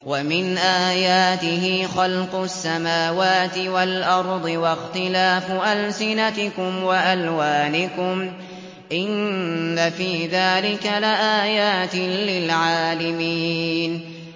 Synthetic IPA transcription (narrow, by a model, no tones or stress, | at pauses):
wamɪnʔaːjaːt̪ɪɦiːxɑlqʊsːamaːwaːt̪ɪwalʔɑɾˤd̪ˤɨwɑxt̪ɪlaːfʔalsɪnat̪ɪkʊmwaʔalwaːnɪkʊm | ʔɪnːafiːðaːlɪkalɪʔaːjaːt̪ɪlɪlʕaːlɪmiːn